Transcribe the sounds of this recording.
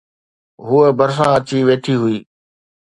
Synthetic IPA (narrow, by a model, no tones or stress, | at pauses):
ɦʊebəɾs̬ãɐt͡ɕiʋeːʈʰiɦʊiː